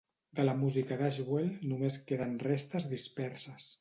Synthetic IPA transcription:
d̪ələmuzikəðaʒβwelnumeskeðənrest̪əzðispɛɾsəs

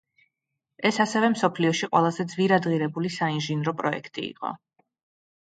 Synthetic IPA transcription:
ɛsasɛvɛmsɔpʰliɔʃiqʼwɛlˠazɛd̪zviɾad̪ʁiɾɛbulisainʒinɾɔpʼɾɔɛ̰kʰt̪ʼḭḭqʼɔ̰

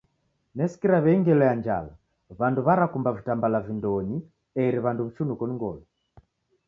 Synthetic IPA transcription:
nɛsi̥kiɾaβɛiŋɡɛlɔjaɲd͡ʒa̰la | βanduβaɾakumbavitambalavindɔɲi | ɛɾiβanduβ̩ut͡ʃunukɔniŋɡɔlɔ

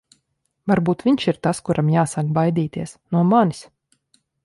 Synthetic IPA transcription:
vaɾbuːt̪vʲiɲʃiɾt̪askuɾʔamjaːsakbajd̪iːt̪iɛsnuɔmani̥s

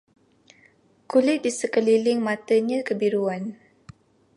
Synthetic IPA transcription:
kulɪt̪̚disəkəlilɪŋmat̪əɲəkəbiɾuan

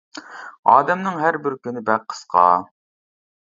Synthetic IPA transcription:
ɑ̰ːd̪ɛmnɨŋɦæɾbɪɾkʲynɪbæqʰːə̥sqʰɑ̰ː

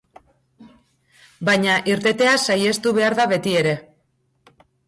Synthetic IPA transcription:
bajɲaʔiɾt̪e̞t̪e̞asaje̞st̪uβe̞aɾðaβe̞t̪ie̞ɾe̞

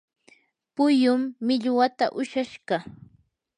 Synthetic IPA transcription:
pʊjʊmːɪʎwat̪a̰ʔʊʃaʃɢɑ

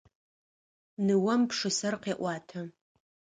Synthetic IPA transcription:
nɨwɐmpʂɨsɐrqeːʔʷɑːtʰɐ

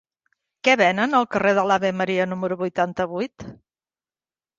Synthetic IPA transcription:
kɛβɛnənəlˠkəreð̞əlaβeməɾiənuməɾuβujt̪ant̪əβujt̪

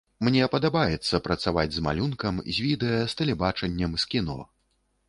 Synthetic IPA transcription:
mnʲɛpɐd̪abajɛt̪sːɐpɾɐt̪savad͡zʲzma̰lʲunkɐmzʲvʲid̪ɛjɐst̪ɐlʲɛbat͡ʂɐnʲːɐmskʲinɔ̰

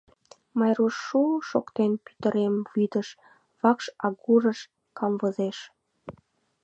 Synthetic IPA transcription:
mɑjɾuʃːuʃo̰kt̪enpy̥t̪əɾemβyd̪əʃ | βɑkʃɑɣuɾəʃ | kɑmvəzeʃ

